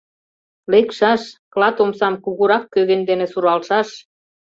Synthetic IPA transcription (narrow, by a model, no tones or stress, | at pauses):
lekʃɑʃklɑt̪omsɑmkuɣuɾɑkːøɣĕnd̪enĕsuɾɑlʃɑʃ